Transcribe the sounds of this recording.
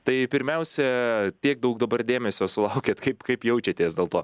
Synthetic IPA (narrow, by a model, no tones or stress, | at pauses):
t̪ɐɪpʲɪɾʲmʲɛʊsʲɛt̪ʲiɛk̚d̪ɐʊkd̪ɐbɐɾd̪ʲeːmʲɛsʲoːsʊlˠɐʊkʲeːt̪kɐɪpkɐɪpjɛʊt͡ʃʲɛt̪ʲeːsdʲeːlˠt̪oː